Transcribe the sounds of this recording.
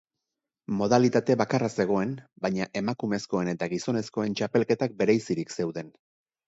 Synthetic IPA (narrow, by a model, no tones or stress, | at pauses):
mo̞ð̞alit̪at̪e̞βakarase̞ɣ̞o̞e̞nbajɲaʔe̞makume̞sko̞e̞ne̞t̪aɣiso̞ne̞sko̞e̞nt͡ʃape̞lke̞t̪ak̚be̞ɾajsiɾikse̞wðe̞n